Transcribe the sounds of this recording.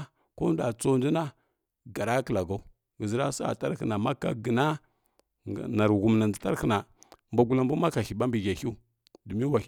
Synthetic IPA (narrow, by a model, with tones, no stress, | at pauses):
ko˦n˦da˨t͡so˦ndi˦na˦ | ɡa˨ɾa˦kə˨la˨ɡa˦u˦ | ɡə˨zi˦ɾa˦sa̰˨ta˦ɾxə̰˨na˨ma˦ka̰˦ɡə˨na˦˨ | na˨ɾɣu˨m˨na˨ndə˨ta˦ɾə˦˨na˨mba˦ɡu˦la˦mbu˦ma˦ka˨xi˨ɓa˦mbi˨ɡa˨xi˦ | du˨mi˦wa˨˦